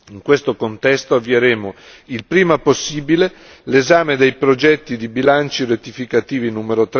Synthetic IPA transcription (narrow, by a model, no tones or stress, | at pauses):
iŋkwest̪okont̪ɛst̪oavːieɾeːmo | ilpɾiːmaposːiːbile | lezaːmed̪ejpɾod͡ʒɛt̪ːid̪ibilant͡ʃiɾet̪ːifikat̪iːvinuːmeɾot̪ɾ